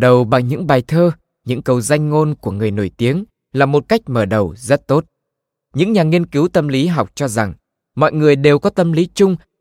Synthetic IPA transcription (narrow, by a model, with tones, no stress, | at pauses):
ɗə˨˩wɓa˨˩ŋɲɨ̰˧˥ŋɓaː˨˩jt̪ʰəː˧ | ɲɨ̰˧˥ŋkə˨˩wza˧jŋ̟ŋo˧nku˧˩əŋɨ˨˩əjno˧˩jt̪i˨˦əŋ | laː˨˩mo˨˩t̚ka˦˥jk̟̚məː˧˩ɗə˨˩wzə˦˥t̚t̪o˦˥t̚ | ɲɨ̰˧˥ŋɲaː˨˩ŋi˧ənkɨ˨˦wt̪ə˧mli˨˦ɦa˨˩wk͡p̚t͡ɕɔ˧za˨˩ŋ | mɔ̰˧˨jŋɨ˨˩əjɗe˨˩wkɔ˨˦t̪ə˧mli˨˦t͡ɕʊ˧ŋ͡m